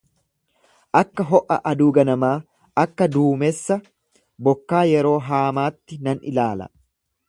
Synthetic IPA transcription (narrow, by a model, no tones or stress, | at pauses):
ʔɐkːɐɦɔʔɐ̰ʔɐd̪uːɡɐnɐmaː | ɐkːɐd̪uːmɛsːɐ | bɔkːaːjɛɾo̞ːɦaːmaːt̪ːɪnɐnɪ̰laːlɐ̰